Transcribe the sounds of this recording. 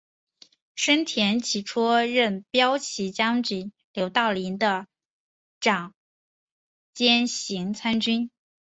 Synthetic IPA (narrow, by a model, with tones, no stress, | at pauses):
ʂə˥nt̪ʰjɛ˧˥nt͡ɕʰi˨˩ʈ͡ʂʰu˥ɻə˥˩npjɑ˥ʊt͡ɕʰi˧˥t͡ɕjɑ˥ŋt͡ɕi˨˩˦ | ljo˧˥ʊt̪ɑ˥˩ʊli˧˥nd̪ə˧ | ʈ͡ʂɑ˨˩˦ŋ | t͡ɕjɛ˥nɕi˧˥ŋt͡sʰa˥nt͡ɕy˥n